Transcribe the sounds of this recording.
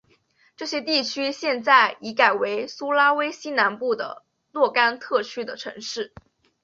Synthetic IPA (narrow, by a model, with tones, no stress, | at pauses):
ʈ͡ʂɤ˥˩ɕjɛ˥t̪i˥˩t͡ɕʰy˥ɕjɛ˥˧nt͡sa˥˩ɪi˧˥ka˨˩ɪwe˧˥ɪsu˥la˥we˥ɪɕi˥na˧˥npu˥˩d̪ə̰˩ | lwɔ˥˩ka˥nt̪ʰɤ˥˩t͡ɕʰy˥d̪ə˨ʈ͡ʂʰɤ̰˧˥ŋʂɻ̩˥˩